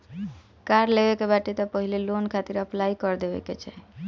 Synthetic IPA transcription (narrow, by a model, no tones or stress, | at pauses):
kaɾlebekebaʈet̪ɔpəɦilelonkʰat̪iɾəplaikɔɾd̪ebɛ̰ket͡ʃʰɛ